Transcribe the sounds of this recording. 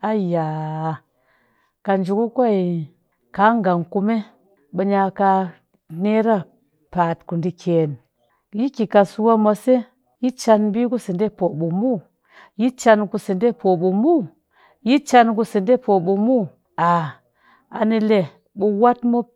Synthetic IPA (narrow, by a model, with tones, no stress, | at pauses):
a˦˨ja˨ | ka˨nd͡ʒu˨ku˦kʷa˦i˨ | ka˨˦ŋɡa˨ŋku˦me˦ | ɓə˦ɲa˨ka˧ | ne˦ɾa˦ | pa˨tku˨ndi˦kʰe˨n | ji˦ki˨ka˨su˦wa˦mʷa˨se˦ | ji˦t͡ʃa˧nbi˦ku˦si˨nde˦po˨ɓu˨mu˦ | ji˦t͡ʃa˧nku˨si˨nde˦po˨ɓu˨mu˦ | ji˦t͡ʃa˦nku˧si˨nde˦po˨ɓu˨mu˦ | a˨ | a̰˨ni˦le˨ | ɓu˨wa˦tmo˦